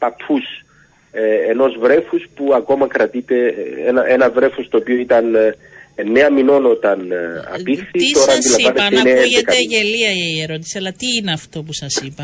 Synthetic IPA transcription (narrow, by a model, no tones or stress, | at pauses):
pɐpʰus | eeno̞zvɾe̞fuspuɐko̞mɐkɾɐt̪it̪e̞enɐʔenɐvɾe̞fost̪o̞ːpioit̪ɐn | nːe̞ɐmino̞no̞t̪ɐnɐ̰pikθit̪o̞ɾɐɐnd̪ilɐvaneseineenekɐʝeliɐieɾot̪i̥seɐlɐt̪iːneɐft̪o̞pusɐsipɐ